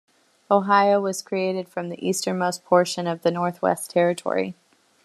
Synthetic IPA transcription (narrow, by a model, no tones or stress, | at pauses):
oʊɦaɪoʊwʌz̥kʰɹ̥ieɪɾɨd̥fɹʌ̃mðḭʔistə̃˞moʊspʰɔɹʃɨ̃nʌvðɨnɔɹθwɛ̰stʰɛɹɨtʰɔ̰ɹḭ